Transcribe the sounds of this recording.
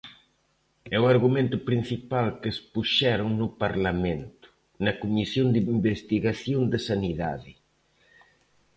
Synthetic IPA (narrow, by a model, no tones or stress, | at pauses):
ɛwaɾɣumẽnt̪ʊpɾin̟θipalkespuʃɛɾʊŋnʊpaɾlamẽnt̪ʊ̥ | nɐkumisjond̪iimbest̪iɣaθjond̪ɪsaniða̰ðɪ